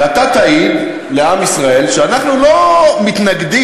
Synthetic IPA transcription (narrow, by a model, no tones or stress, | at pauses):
at̪at̪aim | le̞amisʁae̞lʃeanaχnulo̞mit̪naɡd̪i